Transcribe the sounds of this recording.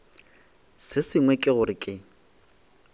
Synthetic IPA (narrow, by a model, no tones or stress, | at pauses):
sɪsɪŋwɛkʼɪɣʊɾɪkʼɪ